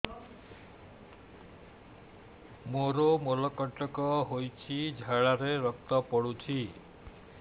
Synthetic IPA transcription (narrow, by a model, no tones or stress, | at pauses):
moɾomolɔkɔʈɔkɔɦojt͡ʃʰid͡ʒʱaɭaɾeɾɔkt̪ɔpɔɽut͡ʃʰi